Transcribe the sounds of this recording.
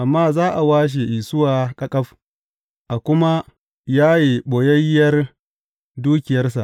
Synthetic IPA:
ʔa˨mːaː˦zaː˦ʔa˨waː˦ʃ̬i˨ʔi˨sʊ˦waː˨kʼɐ˦kʼɐ˦ɸ | ʔa˨kʷʊ˦ma˦ | jaː˦ji˨ɓoː˨jɐ˦jːɐ˦r | duː˦kʲɪ˨jɐ˦rs̬a˨ʔ

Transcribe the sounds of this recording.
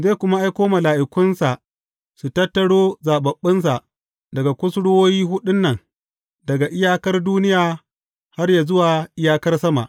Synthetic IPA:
zeː˦kʷʊ˦ma˦ʔa˦jkʷoː˦mɐ˨laː˨ʔɪ˨kʷʊ˦nsa˨ʔ | su˨tɐ˦tːɐ˨ɽoː˦zaː˨ɓɐ˨ɓːɪ˦nsa˨ʔ | dɐ˨ɡa˨kʷʊ˦sɽwoː˦jiː˦ɦʊ˦ɗʊ˦nːɐ˨ŋ | dɐ˨ɡa˨ʔɪ˦jaː˦kɐ˦rduː˦nɪ˦jaː˨ | ha˦rja˨zʊ˦waː˨ʔɪ˦jaː˦kɐ˦rsɐ˦ma̰˨ʔ

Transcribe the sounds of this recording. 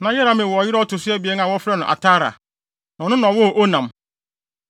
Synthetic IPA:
nã˨jɛ˦ɾa˦mɪ̃˨wɔ˨ɔ˨jɪ˦ɾɔ˦tʰʊ˨sʊ˦ɛ˦bi˨ɛ˦n˦ã˨wɔ˦fɾɛ˦nʊ̃˨ʔa̰˨tʰaː˦ɾa̰˨ | nã˨nʊ̃˦nã˨wɔ˦hʔo˦nã˨m

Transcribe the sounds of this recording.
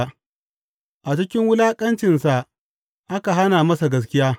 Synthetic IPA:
ʔa˨t͡ʃɪ˦kʲɪ˦ŋwʊ˦laː˦kʼɐ˦nt͡ʃɪ˨nsa˨ | ʔa˦ka˨ɦa˦naː˨mɐ˦sa˨ɡɐ˦s̬kʲɪ˦jaː˦

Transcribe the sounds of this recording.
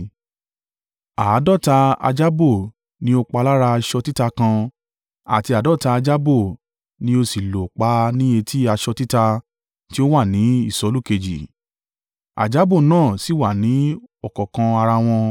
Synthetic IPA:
a˨˦dɔ˦˨ta˧a̰˧d͡ʒa˦bo˦˨ | nĩ˧˦o˧k͡pa˧la˦ɾa˧ʃɔ˧ti˦ta˧kã˧ | a̰˨ti˧a˨dɔ˦˨ta˧a˧d͡ʒa˦bo˦˨ | nĩ˦o˧si˨lo˨k͡pa˨˦nĩ˦e˧tʰi˦a˧ʃɔ˧ti˦ta˧ | ti˦o˦wa˦˨nĩ˨˦i˦˨sɔ˨˦lu˦˨ke˧d͡ʒi˨ | a̰˨d͡ʒa˦bo˦˨nãː˦˨si˨˦˨wa˦˨nĩ˨˦ɔ˦˨kɔ˨kã˧a˧ɾa˧w̃ɔ̃˧

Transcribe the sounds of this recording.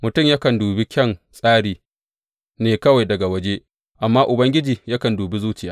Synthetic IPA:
mʊ˨tʊ˦mja˦kɐ˨nduː˨bi˦kʲɛ˦˨ŋsʼaː˦ɽiː˨ | neː˨kɐ˦wa˨jdɐ˨ɡa˨wɐ˦d͡ʒeː˦ | ʔa˨mːaː˦ʔʊ˨bɐ˦ŋɡʲɪ˦d͡ʒiː˨ja˦kɐ˨nduː˨bi˦zuː˦t͡ʃɪ˦˨jaː˨˦˨

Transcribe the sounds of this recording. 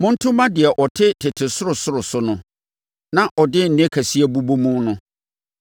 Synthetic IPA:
mʊ̃˦n̩˦tʰʊ̃˦mã˦dɪ˨ɛ˨ʔɔ˨tʰɪ˦tʰɪ˨tʰɪ˨sʊ˦ɾʊ˨sʊ˦ɾʊ˨sʊ˨˦nʊ̃˦ | nã˦ʔɔ˨dɪ˦n̩˨nɛ̃˦kʰæ˨si˦æ˦bu˦bo˦mũ˦nʊ̃˦

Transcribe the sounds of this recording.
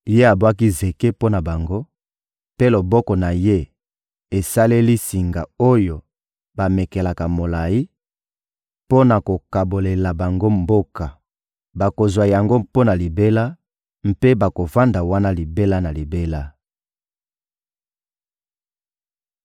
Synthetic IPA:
je˦a˨bwa˦ki˦ze˨ke˦po˦na˨ba˨ŋɡo˦ | pe˦lo˨bɔ˦kɔ˨na˨je˦ | e˨sa˦le˦li˦si˨ŋɡa˨o˦jo˨ | ba˨me˨ke˨la˨ka˨mo˨la˨ji˦ | po˦na˨ko˨ka˨bo˨le˨la˨ba˨ŋɡo˦mbo˦ka˨ | ba˨ko˨zwa˨ja˨ŋɡo˦po˦na˨li˨be˦la˦ | m̩˦pe˦ba˨ko˨va˦nda˨wa˦na˦li˨be˦la˦na˨li˨be˦la˦

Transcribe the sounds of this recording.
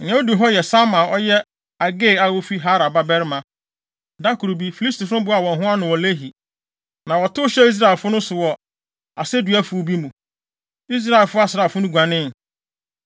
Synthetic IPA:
ɲɛ̃˦o˦du˨ɦɔ˦jɛ˨sa˦mã˨ɔ˦jɛ˦ | a˨ɡe˦˨a˦wo˦fi˦ɦa˦ɾa˨ba˦bɛ˦ɾɪ˦mã˨ | da˦kʰu˨ɾu˨bi˦fi˨li˦sti˨fʊ̃˦bʊ˦a˨wɔ̃˨nɦʊ̃˦a˦nʊ̃˨wɔ˨le˦ɦi˨ | nã˨wɔ˨tʊ˦ɕɛ˦i˦s̬ɾa˦ɛ˨lfʊ˦nʊ̃˦sʊ˨wɔ˨ | a˨sɛ˦du˨æ˦fʊ˦˨bi˦mũ˨ | i˦s̬ɾa˦e˨lfʊ˦a˦sɪ˨ɾa˨fʊ˦nʊ̃˦ɡʷã˨nɪ̃˦n˨

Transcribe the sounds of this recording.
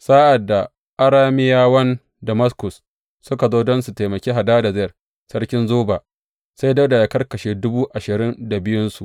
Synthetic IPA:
sa˦ʔa˨dːa˨ | ʔa˦ɾaː˦mɪ˦jaː˦wɐ˦n | dɐ˨mɐ˦skʊ˨sː | ʊ˦ka˨zoː˦dɔ˦nsu˨teː˨mɐ˨kʲeː˦ɦa˨daː˦da˨zɪ˦jɐ˨r | sɐ˦rkʲɪ˦nzoː˦ba˨ | sa˦jdɐ˦wda˨jaː˨kɐ˦rkɐ˨ʃeː˦dʊ˦buː˦ʔa˨ʃɪ˨ɾɪ˦nda˨bɪ˦jʊ˦nsu˨ʔ

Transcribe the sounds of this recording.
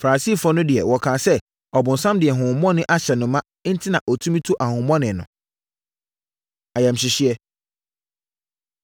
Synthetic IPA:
fa˨ɾa˨si˦˨fɔ˦nʊ̃˦dɪ˨ɛ˨wɔ˨kʰãː˨sɛ˦ | ɔ˨bʊ̃˨n̩˨sã˦mdɪ˨ɛ˨ɦʊ̃˨mɔ̃˦nɪ̃˦ʔa˦ɕɛ˨nʊ̃˨mːã˦n̩˦tʰɪ˦nã˨ʔɔ˨tʰũ˦mĩ˦tʰu˦ʔa˨hʊ̃˨˦mɔ̃˦nɪ̃˨nʊ̰̃˨ | a˨jɛ˨m̩˨ɕɪ˨ɕɪ˦ɛ˦

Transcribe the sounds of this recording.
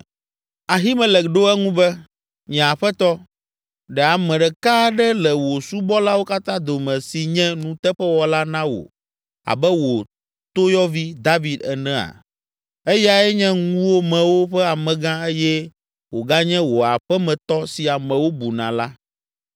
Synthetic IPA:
a˨ɦi˦mɛ̃˨lɛ˨ɖo˦ɛ˦ŋũ˦bɛ˦ | ɲɛ̃˨a˨ɸɛ˦t̪ɔ˦ | ɖɛ˨a˨mɛ̃˨ɖɛ˨ka˦ɖɛ˦lɛ˨wo˨su˦bɔ˦la˦wo˦ka˦t̪ã˦d̪o˨mɛ̃˨si˨ɲɛ̃˦nũ˦t̪ɛ˦ɸɛ˦wɔ˦la˦nã˦wo̰˨ | a̰˨bɛ˦wo˨ | t̪o˦jɔ˦vi˦d̪a˦vi˨d̪ɛ˨nɛ̃˦a̰˨ | e˦jɛ˦a˨ɛ˦ɲɛ̃˦ŋũ˦wo˦mɛ̃˨wo˦ɸɛ˦a˨mɛ̃˨ɡã˦e˦jɛ˦ | wo˨ɡa˦ɲɛ̃˦wo˨a˨ɸɛ˦mɛ̃˨t̪ɔ˦si˨a˨mɛ̃˨wo˦bu˨nã̰˨la˦

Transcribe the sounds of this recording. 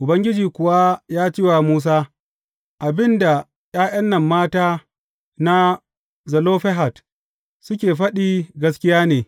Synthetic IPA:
ʔʊ˨bɐ˦ŋɡʲɪ˦d͡ʒiː˨kʷʊ˨wa˦jaː˦t͡ʃiː˦waː˨muː˦s̬aː˦ | ʔa˨bɪ˦nda˨ | j̰ʲʼaː˦ʔɐ˦nːɐ˨mːaː˦taː˦ | na˦ | zɐ˨loː˦ɸɛ˦ɦa˨t | sʊ˦kʲeː˨ɸɐ˦ɗiː˦ɡɐ˦skʲɪ˦jaː˦neː˨

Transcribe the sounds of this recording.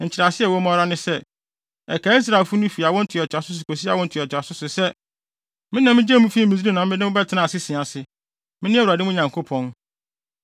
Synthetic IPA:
ɲ̩˨t͡ɕʰɪ˨ɾa˨sɪ˦ɛ˦˨wɔ˨˦mɔ̃˦ɾa˦nɪ̃˦sɛ˦ | ɛ˨kʰa˨˦i˦s̬ɾa˨e˨lfʊ˦nʊ̃˦fi˨a˨wɔ̃˦n̩˦tʰɪ˨ɔ˨t͡ɕʰᶣa˨sʊ˦s̬ʊ˨kʰo˨si˦a˨wɔ̃˦n̩˦tʰɪ˨ɔ˨t͡ɕʰᶣa˨sʊ˦sʊ˨sɛ˦ | mɪ̃˦nã˨mɪ̃˦d͡ʑɛ˦mũ˦fi˦mĩ˨si˦ɾi˦nã˨m̩˦ɪ̃˦nɪ̃˦mʊ̃˦bɛ˦tʰɪ˨nã˨sɪ˦sɪ̃˨ã˨sɪ˦ | mɪ̃˦nɪ̃˦ɛ˦˨a˨dɪ˦mʊ̃˦ɲã˨ŋkʰo˦pʰɔ̃˨˦n

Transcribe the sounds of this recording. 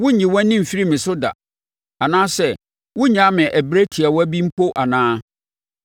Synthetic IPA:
wʊ̃˦ɲĩ˨wɔ̃˦nɪ̃˦m̩˨fi˦ɾi˦mɪ̃˨sʊ˦da̰˨ | a˨nãː˦sɛ˦˨ | wʊ̃˦ɲã˨˦mɪ̃˨ʔæ˨bɾæ˦tʰi˨a˨wɔ˦æ˦bĩ˦m̩˦pʰo˦ʔa˨nãː˦

